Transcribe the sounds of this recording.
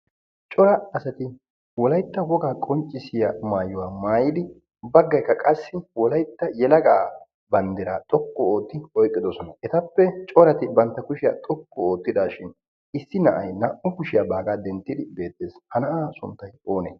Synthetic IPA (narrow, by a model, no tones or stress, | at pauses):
t͡ʃʼɔɾɐɐsɐt̪ɪ | wɔlɐjt̪ːɐwɔɡaːkʼɔnt͡ʃʼːɪsɪjamaːjʊwaːmaːjɪd̪ɪ | bɐɡːɐjkːɐkʼɐsːɪwɔlɐjt̪ːɐjɛlɐɡaː | bɐnd̪ɛɾaːt̪ʼɔkːɔoːt̪ːɪɔjkʼːɪd̪ɔsɔnɐʔɛt̪ɐpːɛt͡ʃʼɔɾɐt̪ɪbɐnt̪ːɐkʊʃɪja̰ːt̪ʼɔkːɔoːt̪ːɪd̪aːʃɪn | ɪsːɪnɐʔɐjnɐʔʊkʊʃɪjaːbaːɡaːd̪ɛnt̪ːɪd̪ɪbe̞ːt̪ʼːeːshɐnɐʔaːsʊnt̪ːɐjo̞ːne